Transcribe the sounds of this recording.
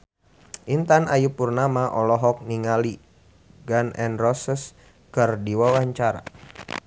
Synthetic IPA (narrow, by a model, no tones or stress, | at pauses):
ʔint̪anʔajupurnamaʔɔlɔɦɔk̚niŋali | ɡanɛnrɔsəs | kərdiwawaɲt͡ʃaɾa̰